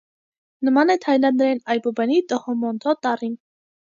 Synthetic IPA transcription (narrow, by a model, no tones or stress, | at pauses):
nəmɑnɛt̪ʰɑjlɑnd̪əɾɛnɑjbɔbɛnit̪ɔhɔmɔnt̪ʰɔt̪ɑrin